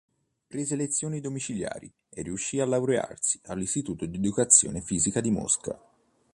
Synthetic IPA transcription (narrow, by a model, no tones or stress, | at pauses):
pɾeːzelet̪sːjoːnid̪omit͡ʃilja̰ːɾi | erːiuʃːialːawɾea̰rsi̥alːist̪it̪uːt̪od̪ied̪ukat̪sːjo̰ːnefiːzikad̪imɔ̰ska̰